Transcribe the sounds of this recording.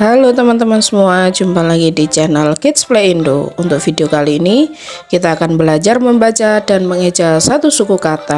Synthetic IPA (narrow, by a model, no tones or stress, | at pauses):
halut̪əmant̪əmansəmuad͡ʒumpalaɡidit͡ʃɛnəlkɪt̪̚spleindo̰unt̪ʊk̚fideokaliːni | kit̪aːkanbəlad͡ʒarməmbat͡ʃadanməŋəd͡ʒasat̪usukukat̪a